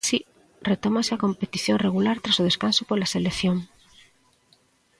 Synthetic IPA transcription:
si | ret̪omaseakompet̪iθjoŋreɣ̞ulaɾt̪ɾasoð̞eskansopolaselekθjoŋ

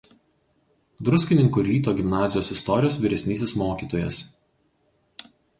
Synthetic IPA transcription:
d̪ɾʊsʲkʲɪnʲɪŋkuɾʲiːt̪oːɡʲɪmnɑːzʲɪjoːsɪst̪ɔɾʲɪjoːsʋʲiɾʲɛsʲnʲiːsʲeːsmoːkʲiːt̪oːjɛ̰s

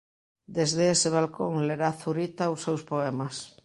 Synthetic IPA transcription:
d̪ezðeeseβ̞alkoŋleɾaθuɾit̪ausewspoemas

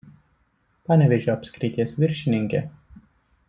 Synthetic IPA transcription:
pɑːnʲɛʋʲeʒʲoɐpʲskɾʲɪt̪ʲiɛsʋʲɪɾʲʃʲɪnʲɪŋʲkʲɛ

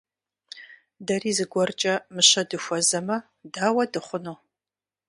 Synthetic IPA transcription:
dɐriːzɨɡʷɔrt͡ʃʼɐmɨɕɐdɨxʷɔzɐmɐ | daːwɐdɨχʷʊnuː

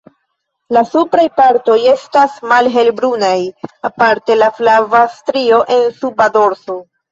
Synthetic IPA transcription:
lasupɾajpaɾto̞je̞stasmalɦe̞lbɾunajapaɾte̞laflavastɾio̞ʔe̞nsubado̞ɾso

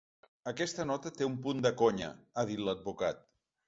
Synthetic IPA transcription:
əkɛst̪ənɔt̪ət̪eumpund̪əkoɲə̰aðit̪ləd̪̚bukat̪̚

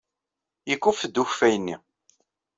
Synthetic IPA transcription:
jəkːufd̪uçfæjənːi

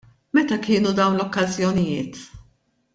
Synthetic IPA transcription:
mɛt̪ɐkɪːnud̪ɐwnlɔkːɐzjɔnɪjɪːt̪

